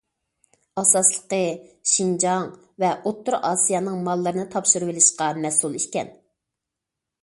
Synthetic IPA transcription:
ɑsɑslˠəqəʃind͡ʒɑŋ | vɛʔot̪ʰːʊɾʔɑːsijɑnɨŋmɑlˠːɨɾɨnɨt̪ʰɑpʃɨɾɨwɪlɪʃqɑmɛsulˠiʃkʲɛn

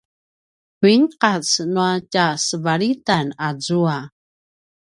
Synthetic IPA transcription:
kuiŋqat͡snuacasəvaɾitanazua

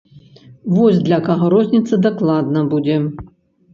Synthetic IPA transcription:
vɔzʲd̪lʲɐkɐɣɔɾɔzʲnʲit̪sɐd̪ɐklˠad̪nɐbud͡zʲɛ

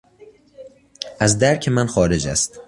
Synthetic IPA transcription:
æzd̪æɾkʰmænxɒːɾed͡ʒæ̰st̪

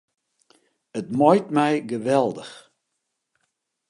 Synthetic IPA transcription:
ətmɔjtmɛjɡəʋɛlˠdəx

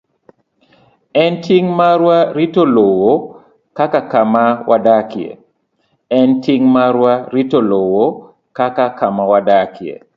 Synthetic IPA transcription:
ɛntʰiŋmaɾwaɾitolowo | kakakamawʔadakjḛ | ɛntʰiŋmaɾwaɾitolowo | kakakamawadakjḛ

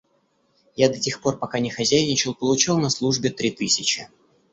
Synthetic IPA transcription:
jad̪ɐtʲexpo̞rpɐkanʲɪxɐzʲæjnʲɪt͡ɕɪlˠpəlˠʊt͡ɕilˠnɐslˠuʐbʲɪt̪ɾʲit̪ɨsʲɪt͡ɕɪ

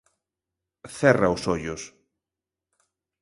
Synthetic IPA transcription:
θɛraʊsoʎʊs

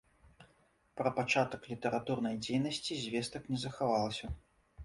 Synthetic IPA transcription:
pɾɐpat͡ʂat̪ɐklʲit̪ɛɾat̪urnɐjd͡zʲejnɐsʲt͡sʲizʲvʲɛst̪ɐknʲɛzɐxavalˠsʲɐ

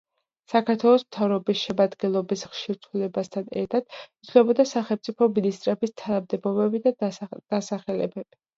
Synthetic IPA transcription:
sakʰaɾt̪ʰwɛlˠɔsmt̪ʰavɾɔbisʃɛmad̪ɡɛnlˠɔbisχʃiɾt̪ʰulɛbast̪ʰanɛ̰ɾt̪ʰad̪̥̚it̪sʰlɛbɔd̪asaχɛlˠmt̪sʼipʰɔminist̪ʼɾɛbist̪ʰanamd̪ɛbɔbɛbid̪ad̪̥asaχɛlɛ̰bɛb̥i̥

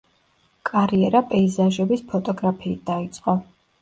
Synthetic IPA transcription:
kʼaɾiɛɾapʼɛizaʒɛbispʰɔt̪ʼɔɡɾapʰiːt̪̚d̪̥ait̪sʼqʼɔ

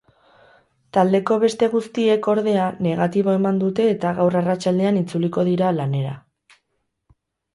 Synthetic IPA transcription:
t̪ald̪e̞ko̞βe̞st̪e̞ɣ̞ust̪ie̞ko̞ɾðe̞ane̞ɣ̞at̪iβo̞e̞mand̪ut̪e̞ːt̪aɣawrarat͡ʃald̪e̞anit͡suliko̞ð̞iɾalane̞ɾa̰

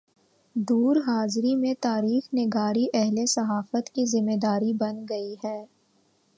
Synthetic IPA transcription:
d̪uːɾɦaːzɾimẽt̪aːɾiːxnɪɡaːɾiʔɛɦlesɐɦaːfət̪kizɪmed̪aːɾibɐnɡɐiɦɛː

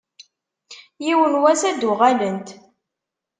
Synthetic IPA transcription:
jiwənwæsæd̪ʊʁælənt̪

